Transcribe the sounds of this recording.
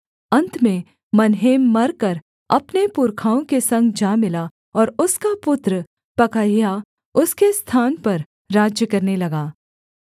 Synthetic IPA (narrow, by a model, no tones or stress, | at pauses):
ɐ̃nt̪ʰmẽ | mɐnɦeːmːɐɾkɐɾ | ɐpnepʊɾkʰaːõkesɐ̃ŋɡd͡ʒaːmɪla | ɔːɾʊskapʊt̪ɾə | pɐkaːija | ʊskest̪ʰaːnpɐɾː | aːd͡ʒjəkɐɾnelɐɡaː